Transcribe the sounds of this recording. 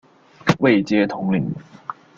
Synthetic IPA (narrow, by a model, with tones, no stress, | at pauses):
we˥˨ɪt͡ɕjɛ˥t̪ʰʊ˧˥ŋli˨˦ŋ